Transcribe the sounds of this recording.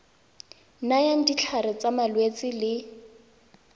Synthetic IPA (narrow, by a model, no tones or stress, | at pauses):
najaŋ̩dit͡ɬʰaɾɪt͡samalwet͡sɪlɪ